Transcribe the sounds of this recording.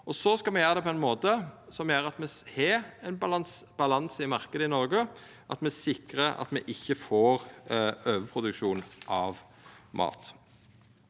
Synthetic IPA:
ɔsɔskɑlmɛjøːɾəd̪ɛpʰɔɛɪnmoːt̪əsɔmjøːɾɑt̪mɛhɛɛnb̪ɑsb̥ɑlɑnsɪmɑʁkəd̪əɪnɔʁɡə | ʔɑt̪mɛsɪkɾəɑ̰t̪mɛʔɪçːəfoːɾøːʋəpʰʁʊd̪ʉkʃuːnʔɑʋ | mʔɑ̰ːt̪

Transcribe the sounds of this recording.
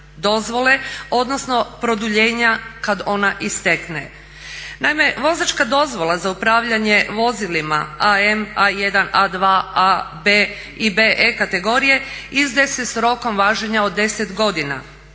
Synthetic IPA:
d̪o̞zʋo̞le̞o̞d̪nosno̞pɾo̞d̪uʎe̞ːɲakad̪o̞naʔist̪ekne | naime̞ʋo̞zat͡ʃkad̪o̞zʋo̞lˠazaupɾaːʋʎaɲe̞ʋo̞zilima̰aemaje̞d̪anad̪ʋaːabeː | ibeːʔekat̪e̞ɡo̞ɾije̞izd̪esesɾo̞ko̞mʋaːʒeɲaod̪ːe̞set̪ɡo̞d̪ina̰

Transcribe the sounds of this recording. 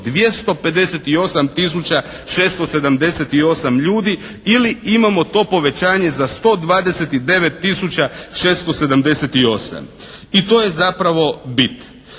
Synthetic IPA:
d̪ʋje̞st̪o̞pe̞d̪e̞set̪io̞samt̪is̬ut͡ɕaʃest̪o̞se̞d̪amd̪e̞set̪io̞samʎuːd̪i | iliimamo̞t̪o̞po̞ʋe̞t͡ɕaːɲe̞zast̪o̞d̪ʋaːd̪e̞set̪id̪e̞ʋe̞t̪ːisut͡ɕaʃest̪ose̞d̪amd̪e̞set̪io̞sa̰mit̪o̞je̞zapɾaʋo̞bit̪

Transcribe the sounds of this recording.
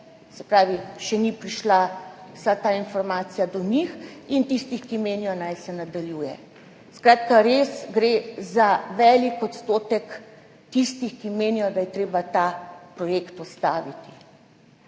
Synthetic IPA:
sɛ̥pɾaːʋiʃɛnipɾiʃlawsat̪ainfɔɾmaːt̪sijad̪ɔnixint̪ist̪ixkimeːnijɔnajsɛnad̪aljuːjɛ̰ | skɾaːt̪kaɾesɡɾezaʋɛːlikɔt̪st̪oːt̪ɛk | t̪ist̪ixkimeːnijɔd̪ajɛt̪ɾeːbat̪apɾɔjekt̪ɔst̪aːʋit̪i̥

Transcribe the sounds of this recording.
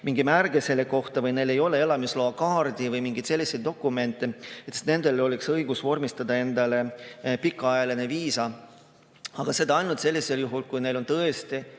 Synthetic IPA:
miŋɡimærɡ̥esele̞ko̞ht̪ɑvɯjne̞le̞jo̞le̞e̞lɑmisloːɑkɑːrd̪̥ivɯjmiŋɡ̥it̪se̞lʲːise̞jd̪̚d̪o̞kːˑume̞nt̪ˑːeet̪st̪ne̞nd̪̥e̞lo̞lʲiksɤjɡusvo̞rmist̪ɑd̪̥ɑe̞nd̪ɑle̞pikˑːɑɑjɑlineviːsɑ | ɑɡ̥ɑse̞d̪ɑɑjnut̪se̞lːise̞ljuɦulkujne̞jlont̪ɤest̪i

